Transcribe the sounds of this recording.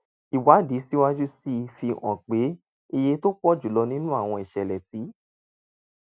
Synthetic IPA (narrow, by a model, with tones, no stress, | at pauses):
i˨wa˨˦di˨˦si˦wa˦d͡ʒu˦si˦fi˧ɔ̰̃˨k͡pe˨˦ | i˧je˧to˦k͡pɔ˦d͡ʒu˨lɔ˧nĩ˦nũ˦a˦˨w̃ɔ̃˧i˨ʃɛ˨lɛ˨ti˨˦